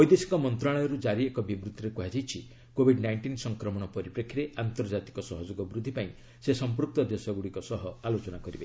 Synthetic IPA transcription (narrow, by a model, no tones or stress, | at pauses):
ɔjd̪esikɔmɔnt̪ɾaɭɔjɔɾud͡ʒaɾiekɔbibɾut̪ʰːɔɾekuɦad͡ʒajt͡ʃʰi | kobʱiɖnajɳʈinsɔŋkɾɔmɔɽ̃ɔpɔɾipɾekʰːiɾeʔant̪ɔɾd͡ʒat̪i̥kɔsɔɦɔd͡ʒoɡɔbɾud̪ʱːipaĩ | sesɔmpɾuk̚t̪ɔd̪esɔɡuɽikɔsɔɦɔalot͡ʃɔnakɔɾibe